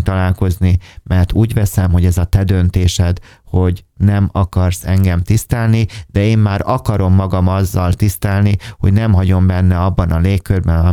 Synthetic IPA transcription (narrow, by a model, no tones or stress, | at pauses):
t̪ɒlaːlko̞znimɛrt̪uːɟvɛsɛmɦo̞ɟɛzɒt̪ɛd̪ø̞nt̪eːʃɛd̪ | ho̞ɟnɛmɒkɒrsɛŋɡɛmt̪ist̪ɛlnid̪̥ɛeːmːaːɾɒkɒɾo̞mːɒɡɒmɒzːɒlt̪ist̪ɛlniho̞ɟnɛmɦɒɟo̞mbɛnːɛɒbːɒnɒleːkːørbɛnɒ